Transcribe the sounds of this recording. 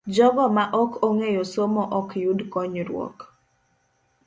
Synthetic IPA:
d͡ʒɔɡɔmaʔɔkʰoŋejosomɔʔɔkjudkɔɲɾwɔ̰k

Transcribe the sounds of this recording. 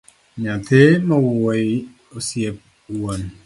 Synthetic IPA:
ɲatemɔwowj | osjep̚ | won

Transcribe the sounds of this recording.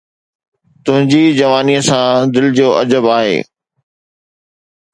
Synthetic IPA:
t̪ʊɦɪ̃ɲd͡ʑiːd͡ʑɐʋaːniəsãd̪ɪld͡ʑoːʔɐd͡ʑəbaːɦḛː

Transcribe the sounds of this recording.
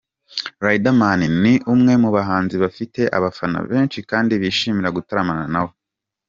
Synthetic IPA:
ɾajdamaniniʔumŋe̞muβaɦaːnziβafite̞ʔa̰βafana̰βe̞ːnt͡ʃikaːndiβiʃiːmiɾaɡutaɾamananawo

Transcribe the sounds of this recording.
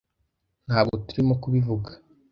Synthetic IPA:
n̥haːbɡo̞tuɾimokuβivuɡḁ

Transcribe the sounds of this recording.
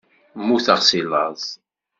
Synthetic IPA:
mːuθəʁsilːɑzˤ

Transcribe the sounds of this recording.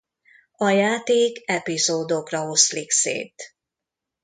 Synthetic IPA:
ɒjaːt̪eːkɛpizoːd̪okrɒɦo̞sliksḛːt̪

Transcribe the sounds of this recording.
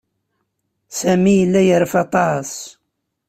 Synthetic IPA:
sæmijəlːæjəɾəfɑt̪ˤɑs

